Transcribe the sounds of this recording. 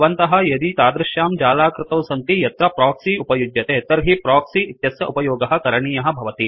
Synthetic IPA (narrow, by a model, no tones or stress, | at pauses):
ʋɐnt̪ɐɦɐ̆jɐd̪it̪aːd̪ɾɪʃjaːmd͡ʒaːlaːkɾɪt̪ɐwsɐnt̪ijɐt̪ɾɐpɾaːksiupɐjud͡ʒ̪jɐt̪eːt̪ɐɾɦipɾaːksiit̪jɐsjɐʔupɐjoːɡɐɦɐ̆kɐɾɐɳiːjɐɦɐ̆bʱɐʋɐt̪i